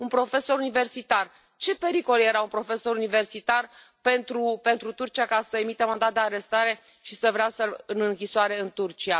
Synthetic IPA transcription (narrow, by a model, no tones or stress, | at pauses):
unpɾo̞fe̞so̞ɾunive̞rsit̪ar | t͡ʃe̞pe̞ɾiko̞lje̞ɾaunpɾo̞fe̞so̞ɾunive̞rsit̪ar | pe̞nt̪ɾupe̞nt̪ɾut̪urt͡ʃiakasəe̞mit̪emand̪at̪̚d̪eaɾe̞st̪aɾe̞ | ʃisəvɾeasəɨnɨŋkʲisoaɾe̞ɨnt̪urt͡ʃia